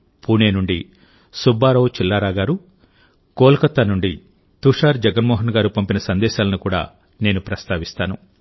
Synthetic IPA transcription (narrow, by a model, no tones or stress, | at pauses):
puːne̞ːnuɳɖi | subːaːɾɐwt͡ʃilːaːɾaːɡaːɾu | kɔːlkɐt̪ːanuɳɖi | t̪uʂaːɾd͡ʒɛɡɐnmɔːɦɐnɡaːɾupɐmpinɐsɐnd̪ɛːʃaːlɐnukuːɽa̰ː | ne̞ːnupɾɐst̪aːʋist̪aːnu